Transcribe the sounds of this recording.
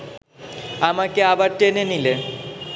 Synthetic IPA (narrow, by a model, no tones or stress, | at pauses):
amakeabaɾʈenenile